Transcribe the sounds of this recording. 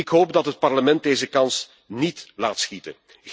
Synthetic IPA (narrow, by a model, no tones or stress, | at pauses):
ɪkɦoːp̚dɑtɦət̚pɑrləmɛnt̚deːzəkɑns | nitla̰ːtsxitə̰n